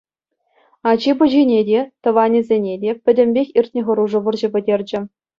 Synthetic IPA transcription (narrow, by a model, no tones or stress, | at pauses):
ɑd͡ʑibɤʑinʲedʲet̪ɤ̆ʋɑnʲizʲenʲedʲepʲɘ̆dʲɘ̆mʲbʲexʲirʲtʲnʲĕʁɤ̆ɾuʐɤ̆ʋɤ̆rʑɘ̆bʲɘ̆dʲerʲd͡ʑɘ̆